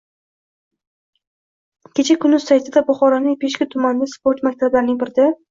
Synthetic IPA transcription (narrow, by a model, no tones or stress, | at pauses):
kʲʰe̞t͡ʃʰakʰʲʊnːʊzsajt̪ʰɪd̪abʊχɒɾanɪŋpʰe̞ʃkʲat̪ʰʊmand̪aspoɾt̪mak̚ʲt̪ʰablaɾɪnɪŋbɪɾɪd̪a